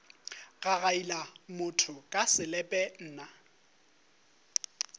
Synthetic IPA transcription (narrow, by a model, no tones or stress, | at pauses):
ɣaɣailamʊtʰʊkʼasɪlɛpʼɛn̩ːna